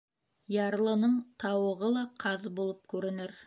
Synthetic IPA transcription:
jɑɾlˠɤ̆nɤɴt̪ʰɑwɤ̆ʁɤlˠɑqʰɑðbulˠɤp̚kʉɾɘ̆nɘɾ

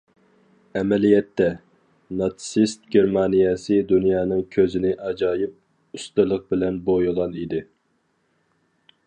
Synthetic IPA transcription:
ɛmɛlijɛt̪ʰːɛ | nɑt̪sist̪̚ɡʲeɾmɑnijɛsɨd̪unjɑːnɨŋkʲʰøzɪnɪʔɑd͡ʒɑːjip̚ | ust̪ɨlˠəq̚bɪlɛnbojulˠɑnid̪ɪ

